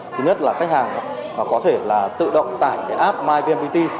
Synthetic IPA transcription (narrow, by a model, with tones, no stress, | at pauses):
ɨ˨˦ŋɲə˦˥t̚laː˨˩xa˦˥k̟̚haː˨˩ŋː˨˩kɔ˨˦t̪ʰe˧˩laː˨˩t̪ɨ̰˧˨ɗə̰˧˨wŋ͡mt̪a̰ː˧˩jkaː˨˦jʔaː˦˥p̚maː˧jvi˧ɛ˧mɓi˧t̪i˧